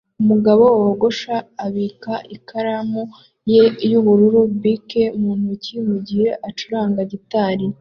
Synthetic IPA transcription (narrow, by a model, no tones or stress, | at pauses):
umuɡaβo̞woɡo̞ʃaːβiːkaʔikaɾamu | je̞juβuɾuɾubike̞umuːn̥hucimuɟiɾeʔat͡ʃuɾaːŋɡaɟitaːɾi